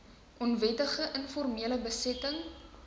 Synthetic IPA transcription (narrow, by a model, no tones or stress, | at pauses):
ʔɔnvɛtəχəʔənfɔrmiələbəsɛtəŋ